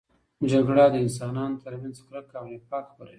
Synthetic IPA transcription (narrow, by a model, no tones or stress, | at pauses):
d͡ʒaɡɽad̪əɪns̬ɑnɑnot̪əɾmanzkɾakawjepɑkxpəɾawi